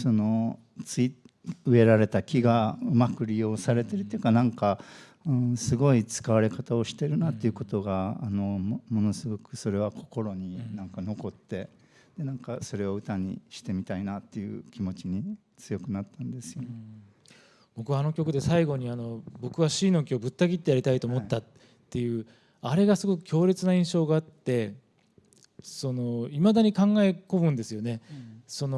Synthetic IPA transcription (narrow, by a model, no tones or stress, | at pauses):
so̞no̞ | t͡sɨiɯe̞ɾaɾe̞t̪akʲiɡaɯ̟makɯ̟ɾʲijo̞ːsaɾe̞t̪e̞ɾɯ̟t̪ːeiɯ̟kanãŋka | ɯ̃sɨɡo̞it͡sɨ̥kaβaɾe̞kat̪ao̞ɕi̥t̪e̞ɾɯ̟nat̪ːe̞iɯ̟ko̞t̪o̞ɡaːno̞mo̞no̞sɨɡo̞kɯ̟so̞ɾe̞β̞akʰo̞ko̞ɾo̞ɲ̟inãŋkano̞ko̞t̪ːe̞ | d̪̥e̞nãŋkaso̞ɾe̞o̞ɯ̟t̪aɲ̟ḭɕi̥t̪e̞mʲit̪ainat̪ːe̞jɯ̟̰ːkʲimo̞t͡ɕiɲ̟i | t͡sɨjo̞kɯ̟nat̪ːãnd̪e̞sɨjon | b̥o̞kɯ̟βaːno̞kʲo̞kɯ̟d̪e̞saiɡo̞ɲ̟iano̞bo̞kɯ̟βaɕiːno̞kʲio̞bɯ̟t̪ːaɡʲit̪ːe̞jaɾʲit̪ait̪o̞ːmo̞t̪ːat̪ː | e̞jɯ̟ː | aɾe̞ɡasɨɡo̞kɯ̟̥kʲo̞ːɾʲet͡sɨnaĩɰ̃ɕo̞ːɡaaːt̪ːe̞ | so̞no̞imad̪aɲ̟ikãŋɡae̞ko̞bɯ̟̃nd̪e̞sɨjo̞ne̞so̞no